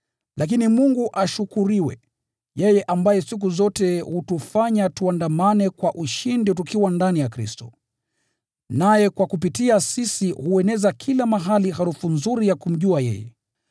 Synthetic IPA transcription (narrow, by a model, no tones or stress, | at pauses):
lʔak̬inimuŋɡuʔaʃukuɾiwɛ̰ | jɛjɛʔambajɛsik̬uzɔtɛhutufaɲatuandamanɛkwaʔuʃindit̬ukiwandanijakɾistɔ | najɛkwakup̬itiasisihuɛnɛzakʰilamaɦalihaɾufunzuɾijakum̩ʄuajɛ̰jɛ̰